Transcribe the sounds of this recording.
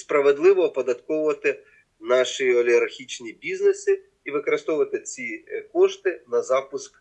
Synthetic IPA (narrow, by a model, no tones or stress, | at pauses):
spɾɐʋed̪lˠɪʋɔpɔd̪ɐt̪kɔwʊʋɐt̪ɪ | nɑʃiɔlʲiɦɐrxʲit͡ʃnʲibʲiznesɪ | iʋɪkɔɾɪst̪ɔʋʊʋɐt̪ɪt͡sʲikɔʃt̪ɪnɐzɑpʊsk